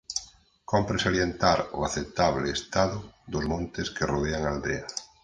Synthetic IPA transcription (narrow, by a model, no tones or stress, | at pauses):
kompɾesaljent̪aɾoaθet̪aβleɪːst̪aðʊðozmõnt̪ɪskeroð̞eaŋald̪ea